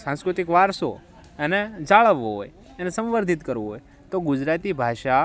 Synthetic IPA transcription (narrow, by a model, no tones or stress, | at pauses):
sãskɾut̪ikʋaɾso̰ | ened͡ʒaɭəʋːoɦo̰j | enesə̃mʋəɾd̪ʱit̪kəɾʋoɦoj | t̪oɡʊd͡ʒɾat̪ibʱaʃa